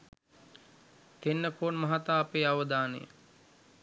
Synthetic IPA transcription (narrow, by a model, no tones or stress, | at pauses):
t̪enːəfʰoːnmaɦat̪aːpeːaʋəd̪aːnəjə̰